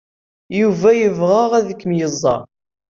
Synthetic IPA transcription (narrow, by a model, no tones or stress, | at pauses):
juvæjəvʁəʁæðəkːəmjəzˤːɑ̰